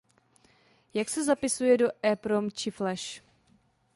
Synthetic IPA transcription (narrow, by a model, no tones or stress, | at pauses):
jaksɛzapɪsujɛdoʔɛpɾomt͡ʃɪflɛʃ